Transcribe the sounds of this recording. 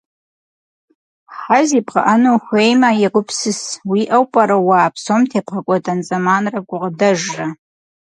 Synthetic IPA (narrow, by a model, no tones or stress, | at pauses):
ħazipʰqa̰ʔanoxʷejmajaɡʷʊpʰsɨswiʔawpʼaɾawaːpʰsomtʰepχakʷʼatʼant͡sʼamanrakʷʼʊʁdaʒra